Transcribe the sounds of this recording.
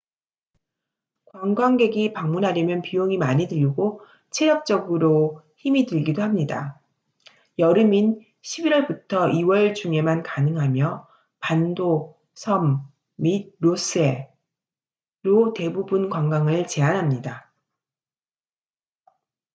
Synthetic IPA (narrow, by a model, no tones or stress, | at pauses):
kwaŋɡwaŋɡe̞ɡipaŋmunɦaɾjʌmjʌnpijoŋimaɲidɯʎɡo | t͡ɕʰe̞ɾjʌk̚t͡ɕ͈ʌɡɯɾo | çimidɯɭɡidoɦhamɲida | jʌɾɯmin | ɕʰibiɾwʌɭbutʰʌiwʌɭt͡ɕuŋe̞mankanɯŋɦamjʌ | pando | sʰʌmː | id̚ɾos͈ʰɯe̞ | ɾote̞bubɯnkwaŋɡaŋɯɭt͡ɕe̞anɦamɲida